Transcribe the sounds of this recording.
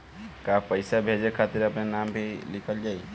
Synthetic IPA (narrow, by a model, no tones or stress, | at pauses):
kapəjsabʱed͡ʒekʰat̪iɾəpnenambʱilɪkʰəld͡ʒaːi